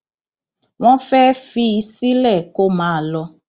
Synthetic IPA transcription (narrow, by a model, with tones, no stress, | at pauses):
w̃ɔ̃˦fɛ˦fi˧˦i˧si˦lɛ˦˨ko˦mãː˨˦˨lɔ˧